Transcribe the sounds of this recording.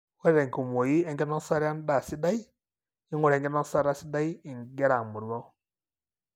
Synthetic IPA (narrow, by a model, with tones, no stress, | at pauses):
wɛ˦ɾɛ˨ŋku˨mo˨ji˦ɛ˦ŋɡɛ˦nɔ˦nsa˦ɾa˦nda˨si˦da˦i˦ | ɪ˦ŋʊ˦˨ɾɛ˨ŋɡɛ˦nɔ˦sa˦ɾa˦si˦da˦i˦ɪ˨ŋɡɛ˦ɾa˨mu˨ɾwɔ˦